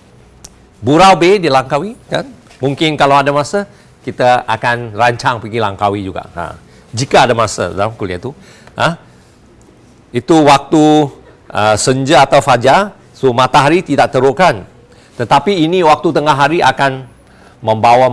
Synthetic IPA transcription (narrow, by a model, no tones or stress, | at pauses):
buɾawbedilaŋkawikan | muŋkɪnkalawadamasa | kit̪aakanraɲt͡ʃaŋpiɡilaŋkawid͡ʒuɡa̰ʔa̰ | d͡ʒikaadamasa̰mkuliat̪u | ə | it̪uwak̚t̪u | ʔəsəɲd͡ʒəat̪awfad͡ʒa | somat̪aɦaɾit̪idaʔ̚t̪əɾokan | t̪ət̪apiːniwak̚t̪ut̪əŋaɦaɾiʔa̰kan | mə̃mbawa